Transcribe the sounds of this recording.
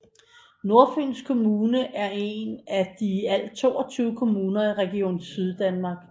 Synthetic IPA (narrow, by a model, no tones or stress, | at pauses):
no̝ɐfen̰skʰo̝muːnəʔæɐe̝næd̥iæl̰d̥̚t͡sʰo̝̰ːɐt͡sʰyːʊəkʰo̝muːnɐiʁɛɡ̥io̝̰ːnsyð̞ˠd̥ænmɑ̈ːɡ̥